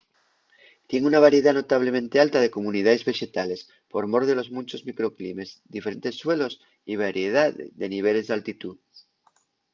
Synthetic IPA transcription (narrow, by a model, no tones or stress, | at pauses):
t̪je̞ŋunaβ̞aɾje̞ðano̞t̪aβ̞lemẽnt̪e̞alt̪að̞e̞komunið̞aðezβe̞ʃe̞t̪ale̞s | po̞ɾmo̞ɾðelo̞zmũnt͡ʃo̞zmikɾo̞klime̞zd̪ife̞ɾe̞nt̪e̞sːwe̞lo̞s | iβaɾjeð̞aððe̞niβ̞e̞le̞zðalt̪it̪uð